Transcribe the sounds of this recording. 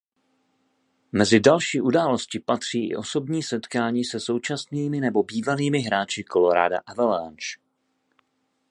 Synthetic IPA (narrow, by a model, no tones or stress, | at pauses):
mɛzɪdalʃiːʔudaːlo̞scɪpat̪r̝̥iːʔɪ̰ʔo̞so̞bɲiːsɛt̪kaːɲiːsɛso̞wt͡ʃasniːmɪnɛbo̞biːvaliːmɪɦɾaːt͡ʃɪkʰo̞lo̞ɾa̰ːda̰ʔavɛlant͡ʃ